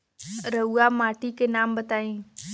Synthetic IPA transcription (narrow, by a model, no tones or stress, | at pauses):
ɾəuamaːʈikenaːmbɐt̪aːĩː